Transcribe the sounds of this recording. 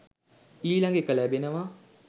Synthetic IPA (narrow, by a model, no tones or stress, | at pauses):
iːlaŋɡekəlɛbenəʋa